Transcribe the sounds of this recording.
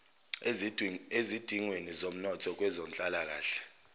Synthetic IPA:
ezid̥ʱiŋwenizom̩nɔtʰɔk̬wɛzom̩t͡ɬʼalak̬aːɬɛ̥

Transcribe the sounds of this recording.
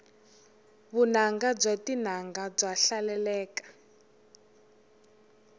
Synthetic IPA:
βunaŋɡab͡ʐʷatin̤aŋɡab͡ʐaɬalɛlɛːkḁ

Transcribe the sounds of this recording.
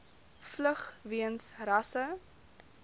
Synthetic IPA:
fləχviənsrɐsə

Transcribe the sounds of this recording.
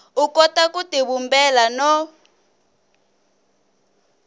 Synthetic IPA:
ukɔtakutiβumbɛlanɔ

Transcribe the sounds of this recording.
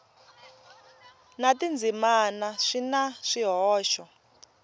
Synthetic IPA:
natind͡zimanaʂinaʂiɦɔːʃɔ

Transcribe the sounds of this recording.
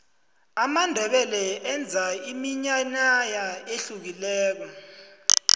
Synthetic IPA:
amandʱɛɓɛlɛɛnd͡zʱaimiɲaɲajaeɬuk̬ilɛːk̬ɔ

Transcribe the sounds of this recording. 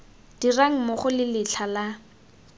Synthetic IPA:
d̥iraŋ̩moχʊlɪlɪɬʰala

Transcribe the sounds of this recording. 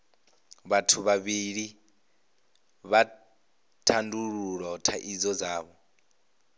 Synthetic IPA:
βatʰuβaβiɺi | βa | tʰanduɺuɺɔtʰaʔid͡zɔd͡zaːβɔ

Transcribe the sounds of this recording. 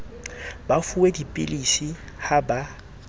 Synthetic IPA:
bafuedipʼɪ̰lisi | haba

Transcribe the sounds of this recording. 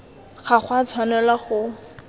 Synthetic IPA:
χaχwat͡sʰwanɛlaχʊ

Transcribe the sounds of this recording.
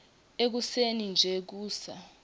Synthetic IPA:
ek̬usenind͡ʒʱɛk̬uːsa

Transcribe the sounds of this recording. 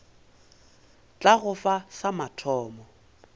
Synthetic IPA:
t͡ɬʼaɣʊfasamatʰɔːmɔ

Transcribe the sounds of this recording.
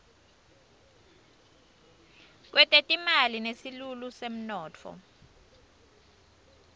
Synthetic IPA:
k̬wʔɛtʼetʼimalinesilulusem̩nɔːtʰɔ̰

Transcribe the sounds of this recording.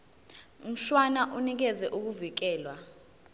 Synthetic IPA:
m̩ɬwanaʔunik̬ɛzɛʔuk̬uvik̬ɛːlwa

